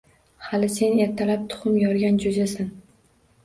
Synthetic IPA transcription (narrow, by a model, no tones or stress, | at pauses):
halɪse̞ne̞ɾt̪ʰalap̚t̪ʰʊ̥χʊmjɒɾɡʲand͡ʒozasan